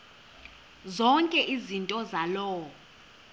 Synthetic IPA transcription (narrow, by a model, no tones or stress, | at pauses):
zɔŋkʼɛʔizintʼɔzalɔːɔ